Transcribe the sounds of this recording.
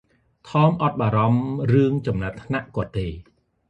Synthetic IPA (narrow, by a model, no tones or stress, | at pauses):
t̪ʰɑːmʔɑt̪̚ɓaːɾɑmrɨəŋt͡ɕɑmnat̪ʰnaʔkŏət̪ːeː